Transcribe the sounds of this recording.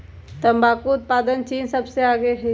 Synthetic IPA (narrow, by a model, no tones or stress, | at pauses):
t̪əmbaːkuʊt̪̚paːd̪ənt͡ʃiːnsɐbseaːɡeɦe